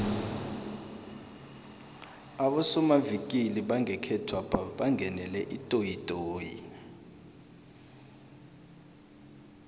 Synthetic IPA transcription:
aɓɔsɔmavikʼiliɓaŋʱɛkʰɛtʰwapʰaɓaŋʱɛnɛlɛʔitʼojitʼoːjḭ

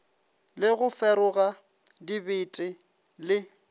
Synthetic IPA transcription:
lɪɣʊfɛɾʊɣa | dibɪtʼɪ | lɪ

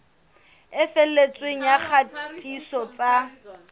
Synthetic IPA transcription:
ɪfel̩let͡sʼweŋ̩jak͡xʰatʼisɔt͡sʼa

